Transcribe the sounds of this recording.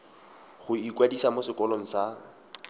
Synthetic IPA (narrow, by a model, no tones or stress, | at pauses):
χʊikwadisamosɪkɔloŋ̩sa